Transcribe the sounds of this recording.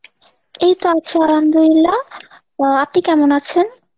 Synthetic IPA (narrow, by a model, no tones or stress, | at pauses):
ejt̪oat͡ɕʰealand̪oɾilːa | apnikɛmonat͡ɕʰen